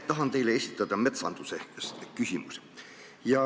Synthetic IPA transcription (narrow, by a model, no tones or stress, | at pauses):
t̪ɑɦɑnt̪e̞jle̞esʲit̪ːˑɑd̪̥ɑme̞t̪sɑ̰nd̪̥useskysʲimus | jɑ